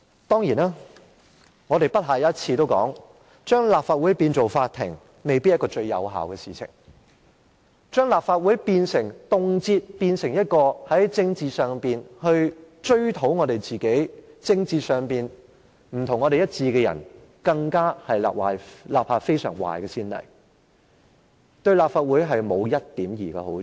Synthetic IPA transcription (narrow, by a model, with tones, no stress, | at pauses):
t̪ɔː˥ŋjiː˨˩naː˥ | ŋɔː˨˧ɾe˨jpɐ˥t̚ɦaː˨˩jt̚t͡sʰiː˧t̪o˥wkɔ̰ː˨˥ŋ | t͡ʃœː˥ŋlaː˨p̚faː˧t̚wuː˨˥jpiː˧nt͡so˨wfaː˧t̪ʰːɪ̰˨˩ŋ | me˨jpi˥jɐ˥kɔː˧t͡ʃɵ˧ɥjɐ̰˨˧wɦa̰ː˨wkɛː˧siː˨t͡sʰɪ̰˨˩ŋ | t͡ʃœː˥ŋlaː˨p̚faː˧t̚wu˨˥jpiː˧nsɪ˨˩ŋt̪ʊ˨ŋt͡siː˧t̚piː˧nsɪ˨˩ŋjɐ˥t̚kɔː˧hɐ˨˥jt͡sɪ˧ŋt͡siː˨˧sœː˨ŋpiː˨˩nhɵ˧ɥ | t͡ʃɵ˥ɥt̪ʰo˨˥wŋɔː˨˧t̪e˨jt͡siː˨ke˨˥jt͡sɪ˧ŋt͡siː˨sœː˨ŋpiː˨n | m̩˨˩t̪ʰʊ˨˩ŋːɔː˨˧ɾe˨jɐ˥t̚t͡siː˧kɛː˧jɐ̰˨˩n | kɐ˧ŋkaː˥hɐ˨jla̰ː˨p̚wa̰ː˨˩jlaː˨p̚haː˧t̚fe˥jsœ̰ː˨˩ŋwa̰ː˨˩jkɛː˧siː˥nlɐ̰˨˩j | t̪ɵ˧ɥlaː˨p̚faː˧t̚wuː˨˥jɦɐ˨jmo˨˧wjɐ˥t̚t̪iː˨˥mjiː˨˩ka̰ː˧ho˨˥